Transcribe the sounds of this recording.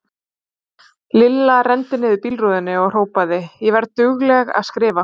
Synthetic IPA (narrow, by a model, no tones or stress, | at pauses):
lɪlːarɛnt̪ɪnɪːðɪpilruðɪnːɪɔɣr̥oːwpaðɪjɛvɛɾt̪ʏɣlɛɣa̰ðskɾɪːva